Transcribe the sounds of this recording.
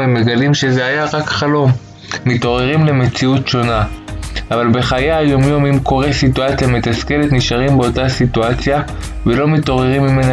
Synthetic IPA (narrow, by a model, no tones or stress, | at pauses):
emːeɡalimʃe̞zeajaʁakχalo̞mː | ito̞ʁe̞ʁimle̞me̞t͡siutʃo̞naavalbe̞χajajo̞mjo̞mimko̞ʁesituat͡sjametaske̞letniʃaʁimbeo̞tasituat͡sja | velo̞mito̞ʁe̞ʁimːime̞na